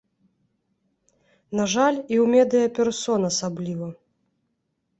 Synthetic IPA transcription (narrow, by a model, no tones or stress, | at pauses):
naʐalʲiwmʲɛd̪ɨjɐpʲɛrsɔnɐsablʲivɐ